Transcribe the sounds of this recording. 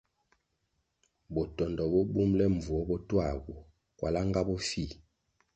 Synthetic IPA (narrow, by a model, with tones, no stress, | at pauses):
bɔ˨tɔ˨ndɔ˨bɔ˦bu˦mlɛ˦ɱ˨vu˨ɔ˦bɔ˦twa˦˨ɡu˨ | kwʔa˨la˦ŋɡa˦bɔ˦fi˦˨